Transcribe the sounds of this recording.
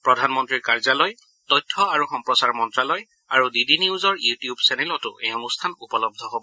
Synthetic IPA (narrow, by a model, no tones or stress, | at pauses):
pɹɔdʱanmɔntɹiɹkaɹzalɔj | tɔjtʰːɔaɹuxɔmpɹɔsaɹmɔntɹalɔj | aɹudidiniuzɔɹjutijubsɛnɛlɔtʊ̰ʔɛɔnustʰanupɔlɔb̚dʱɔɦobɔ